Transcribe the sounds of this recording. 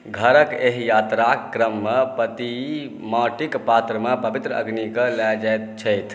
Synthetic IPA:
ɡʱəɾəkeɦjat̪ɾaɾəmːepət̪i | maʈikpat̪ɾəmepəbit̪ɾəə̰ɡnikəlɛjd͡ʒajt̪̚t͡ʃʰəjt̪ʰ

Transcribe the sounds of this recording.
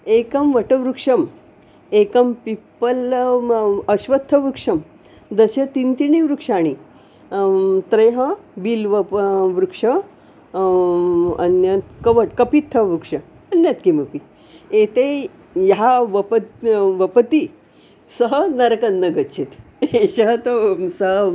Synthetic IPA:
ekɐmʋɐʈəʋɾukʂɐm | ekɐmpipəl | ɐɕʋɐt̪ʰːɐʋɾukʂɐm | d̪ɐɕət̪int̪iɳiʋɾukʂaɽ̃i | t̪ɾɐjɦɐbilʋəʋɾukʂɐ | ɐ̰njɐt̪kɐʋəʈkɐpit̪ʰːɐʋɾukʂɐ | ɐnjɐt̪kiməpi | et̪e | jɦaʋəpʋəpət̪i | səɦənɐɾkɐnːɐɡɐt͡ʃʰit̪ | eɕɐɦt̪əsəɦə

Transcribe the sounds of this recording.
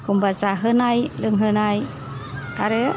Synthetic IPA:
kumbasaɦənajlɯŋɦɯnaj | aɾɯ

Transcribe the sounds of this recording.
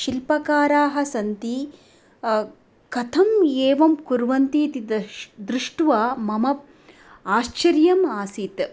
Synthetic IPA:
ʃilpɐkaːɾaːɦɐ̆sɐnt̪i | kɐt̪ʰɐmeːʋɐmkuɾʋɐnt̪iːt̪id̪d̪ɾuʂʈʋaːmɐmɐ | aːʃt͡ʃɐɾjɐmaːsit̪

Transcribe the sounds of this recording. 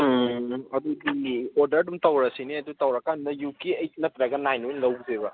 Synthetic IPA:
ɐd̪udioɾdɐɾdumtawɾɐsiniɐd̪utawɾakanɐjukeɐjnɐpɾaɡɐnajnojnlɐwzeβɐ

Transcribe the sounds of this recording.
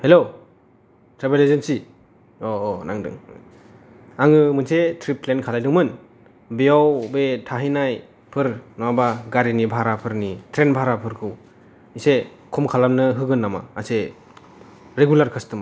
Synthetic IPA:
helo | tɾebelezensi | ɔːna̰ŋdɯ̰ŋ | aŋɯmɯnsetʰɾiplenkʰalajdɯŋmɯn | bijawbetʰaɦinaj | pʰɯɾnabaɡaɾinibʱaɾapʰɯɾnitʰɾenbʱaɾapʰɯɾkʰɯw | ise | kʰɔmkʰalamnɯɦɯɡɯnːama̰ːse | ɾeɡulaɾkʰɯstɯma

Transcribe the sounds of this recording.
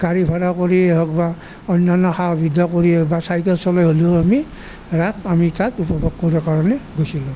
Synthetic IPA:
ɡ̥aɹibʱaɾakoɹiɛɦɔk̚ba | ɔnːanɔxabʱidʱɔkoɹiɛbasajtɔsɔlɔjɦolioami | ɹakamitatupɔbʱɔɡ̚koɹibakaɹɔnɛɡojsilũ

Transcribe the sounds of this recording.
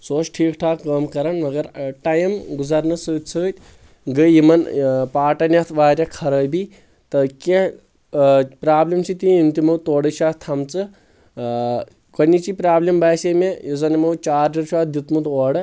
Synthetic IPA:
soːt͡ʃʈʰiːkʈʰaːkəːmkɐɾɐnmɐɡɐɾʈɐjmɡuzɐɾnɐsəːt̪̚ʲsʰɨːt̪ʲ | ɡəimɐnpaːʈɐnʲɐt̪ʰʋaːɾʲjɐkʰɐɾəːjbi | t̪ɐke | pɾaːblimt͡ʃʰit̪iint̪imɐwt̪oːɽɨʃʰaːt̪ʰɐmt͡sɨ | kɐnʲit͡ʃipɾaːblimbaːsemejizɐnɐmɐwt͡ʃaːɾdɐɾʃʰaːt̪̚d̪it̪mut̪oːɽɐ

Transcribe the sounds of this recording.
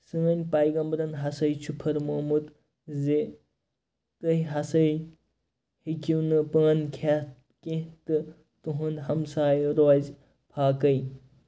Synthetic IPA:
sɨŋɐnʲpajɡɐmbɾɐnɦasɐjt͡ʃʰupʰɐɾmomut̪ | ze | t̪ɐɦjɦasɐj | hikiwnɨpɐnkʰa | kẽt̪ɨ | t̪uɦunɦɐmsaːjɾoz | pʰaːkɐj

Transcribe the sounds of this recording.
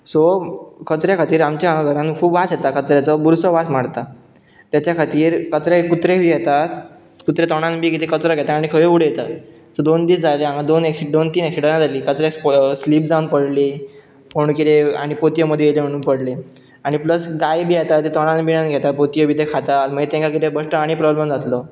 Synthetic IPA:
sɔkʰət̪ɾjakʰat̪iːɾamt͡ɕjaaɡʱəɾãnkʰuːbʋasjet̪akət̪ɾjat͡sɔbuɾsɔʋasmaɽt̪a | t̪jat͡ɕakʰat̪iːɾkət̪ɾakut̪ɾebʱiːjet̪at̪ | kut̪ɾet̪ɔɽ̃anbʱiːkit̪ʰekət͡sɾəɡʱɛt̪aːɽ̃ikʰəʋeuɽ̤ejet̪at̪ː | əd̪ond̪iːsd͡zaleãŋɡad̪oneksid̪ont̪iːneksiɖəɾnad͡zaliːkət͡s̪ɾessliːp̚d͡zanpəɽli | poɳ̃kit̪ʰea̰ɽ̃ipot̪jəməd̪ʱːjejelem̤əɽ̃ũnpəɽle | aɽ̃ipləsɡajbʱiːat̪at̪et̪ɔɽ̃anbiɽ̃anɡʱɛt̪apot̪ijəbʱiːt̪ekʰat̪aməɡet̪ẽŋkakit̪ebəsʈəaɽ̃ipɾɔbleməd͡zat̪lɔ

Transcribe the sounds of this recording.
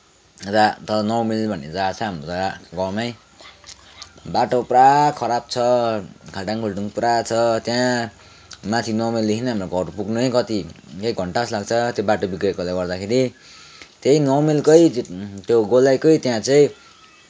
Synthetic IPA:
d͡zat̪ʌɾʌnʌwmilbʱʌned͡zat͡sʰʌɦamrotaɡʌmaj | baʈoprakʰʌɾab̚t͡sʰʌkʰaɖaŋkʰulʈuŋprat͡sʰʌt̪jã | mãt̪ʰinʌwmilːikʰinʌɦamroɡʌɾpuɡnuʌjkʌt̪ikeiɡʱʌɳʈaslaɡt͡sʰʌt̪jobaʈobikekolajɡʌɾd̪akʰeɾi | t̪ejnʌwmilkʌjt̪joɡolajkʌit̪jãt͡saĩ

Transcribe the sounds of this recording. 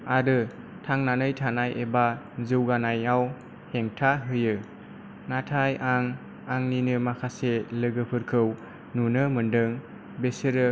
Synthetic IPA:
aɾɯ | tʰaŋnanɯjtʰanajʔeba | zɯwɡanajaw | heŋtʰaɦɯjɯ | natʰajʔaŋ | aŋninɯmakʰaselɯɡɯpʰɯɾkʰɯw | nunɯmɯndɯŋ | besɯɾɯ

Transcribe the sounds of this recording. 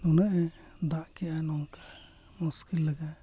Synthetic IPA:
nunaʔɛ | d̪aʔkɛanɔŋka | muskilːəɡa

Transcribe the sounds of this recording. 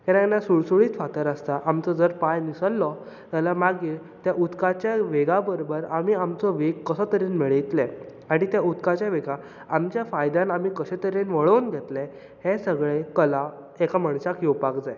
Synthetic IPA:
kannːasuɭsuɭiːt̪fat̪əɾast̪aʔamt͡sɔd͡zəɾpajnisəlːɔ | t̪jalamaɡiːɭ | t̪jaʔud̪kat͡ɕjaʋeɡabəɾobəɾamiːamt͡sɔʋeɡkəsɔt̪əɾenmeɭit̪lɛ | aɽ̃it̪jaud̪kat͡ɕjaʋeɡa | amt͡ɕjafajd̪ãnamiːkəɕɛt̪əɾenʋəɭəwnɡʱɛt̪lɛ | hesəɡɭekəla | ekaməɳsakjewpakd͡zaj

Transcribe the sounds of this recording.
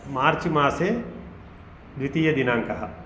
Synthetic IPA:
maːɾt͡ʃimãːse | d̪wit̪ijɐd̪inãːŋkɐɦa

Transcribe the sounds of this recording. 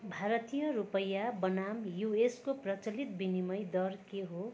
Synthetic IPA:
bʱaɾʌt̪ijʌɾupʌjabʌnamjueskoprʌt͡sʌlit̪̚binimʌjd̪ʌrkeɦo

